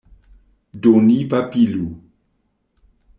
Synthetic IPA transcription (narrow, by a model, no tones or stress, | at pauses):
donipapilu